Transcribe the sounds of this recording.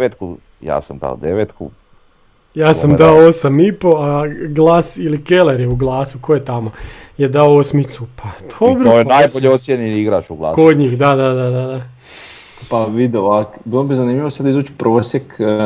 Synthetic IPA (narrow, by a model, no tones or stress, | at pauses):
et̪ku | ja̰ːsa̰md̪a̰o̰d̪eʋeːt̪kṵ | jaːsamd̪aoosamipo̞aɡlˠaːsilike̞leɾjeuɡlˠaːsukojet̪amojed̪aoosmit̪supʰad̪ʰobɾoojenajboʎeosjeniiɡɾaːʃuɡlˠa̰ːkod̪ɲiːxd̪ad̪ad̪ad̪ad̪a | paʋid̪eoakbilˠobizanimʎʲiʋosad̪izuːt͡ʃi̥pɾoːsjek